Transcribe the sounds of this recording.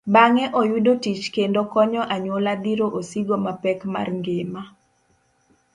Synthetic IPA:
baŋɛʔojudotit͡ʃkendokɔɲɔʔaɲolad̪iɾoʔosiɡomapɛkma̰rŋɡema

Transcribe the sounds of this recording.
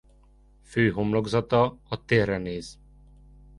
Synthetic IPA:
føːɦomlo̞ɡzɒt̪ɒɒt̪eːrːɛneːz̥

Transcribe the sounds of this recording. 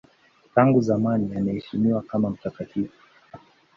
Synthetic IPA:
taŋɡuzamanijanahɛʃimiwakamam̩takativu

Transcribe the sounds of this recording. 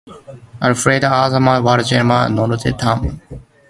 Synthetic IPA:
ɐlfɾeːd̪aːzɐmãːʋaːɾt͡ʃeːɾma̰ːnõːnot̪ʰḛːt̪ʰaːm

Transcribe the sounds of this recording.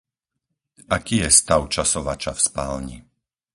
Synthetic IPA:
akijɛst̪aʊt͡ʃasɔʋat͡ʃafspaːlɲi

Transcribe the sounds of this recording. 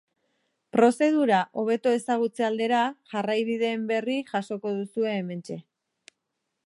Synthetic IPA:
pɾo̞se̞ð̞uɾaʔo̞β̞e̞t̪o̞e̞saɣ̞ut͡se̞ald̪e̞ɾaʝarajβiðe̞ːmbe̞riʝaso̞ko̞ð̞usue̞ːme̞nt͡ʃe̞

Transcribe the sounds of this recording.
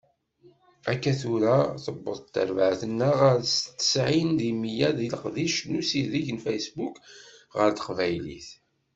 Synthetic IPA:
ækːæθuɾæθəbːəðˤt̪ːə̰ɾvəʕθənːəʁaɾst̪ːə̥sʕind̪imijæðiləqðiʃnusiðiʝənfæjsbukʁəɾt̪ə̥qvæjlḭθ

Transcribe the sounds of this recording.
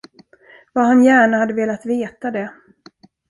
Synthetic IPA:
vaɦanjæːɳahad̪ːəveːlat̪veːt̪ad̪ɛ

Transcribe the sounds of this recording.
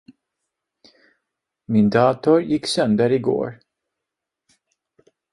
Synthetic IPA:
mɪnd̪ɑːt̪ʊɾjɪkːsœnd̪əɾɪɡo̰ːɾ

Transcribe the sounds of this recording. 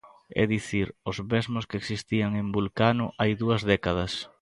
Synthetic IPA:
ɛ̰ðiθiɾʊzβezmʊskeeksist̪iaŋembulkanʊʔajðuɐzðɛkað̞ɐs

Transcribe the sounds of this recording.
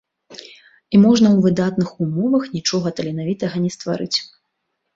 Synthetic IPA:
imɔʐnɐwvɨd̪at̪nɨxumɔvɐxnʲit͡ʂɔɣɐt̪ɐlʲɛnavʲit̪ɐɣɐnʲɛst̪va̰ɾɨt͡sʲ

